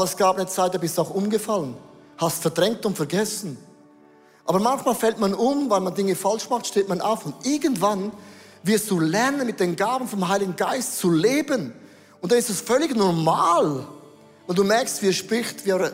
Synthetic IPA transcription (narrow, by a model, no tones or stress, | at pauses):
ɛsɡ̥aːbnɛt͡saɪt̚d̥aːbɪstuaʊxʔʊnɡəfalən | hastfɛɐdʁɛŋk̚tʊntfɛɐɡɛsn̩ | ʔaːbɐmançmaːlfɛltmanʊmvaɪlmandɪŋəfalʃmaχtʃteːtmanʔa̰ʊfʊndʔɪɐɡəntv̥an | vɪɐstd̥uːlɛɐnənmɪt̚d̥eːnɡaːbən̩fɔmɦaɪlɪɡŋ̩ɡaɪst̚t͡suleːbən | ʊntd̥anɪstɛsfœlɪçnɔʁmaːl | vaɪlduːmɛɐkstviːɐʃpʁɪçtviːaʊ